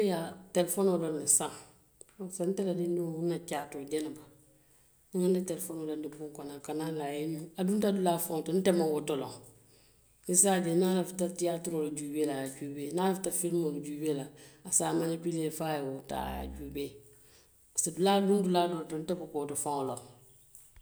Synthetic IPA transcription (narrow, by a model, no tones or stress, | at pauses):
ejatɛlɛfonodɔnisãŋ | san̩tɛladinduunat͡ʃaːtoɟɛnaba | niŋanditɛlɛfonodɔndibũŋkɔnakanalajenũaduntadulaːfãŋtɔn̩tɛmãwotɔlɔ̰̃ŋ | isadɛnalafitatiatɾolud͡ʒuːbelajad͡ʒuːbeːnalafitafilmold͡ʒubelaasaːmanipileːfajɛwota̰ːja̰d͡ʒuːbeː | sɛdulaːdũndulaːdɔltɔn̩tɛbɔkotɔfãŋɔlɔ